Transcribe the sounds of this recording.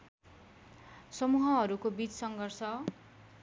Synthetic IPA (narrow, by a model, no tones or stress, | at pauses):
sʌmuɦʌɦʌɾukobit͡ssʌŋɡʱʌrsʌ